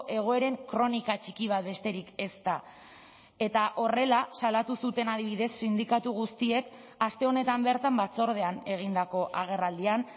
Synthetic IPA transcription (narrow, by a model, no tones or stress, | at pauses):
ʔe̞ɣ̞o̞e̞ɾe̞ŋkɾo̞nikat͡ʃikiβ̞at̪̚be̞st̪e̞ɾike̞st̪a | e̞t̪aʔo̞re̞lasalat̪usut̪e̞nað̞iβ̞iðe̞sːind̪ikat̪uɣust̪ie̞k | ast̪e̞o̞ne̞t̪ambe̞ɾt̪ambat͡so̞ɾð̞e̞ane̞ɣ̞ind̪ako̞ʔaɣ̞e̞rald̪ian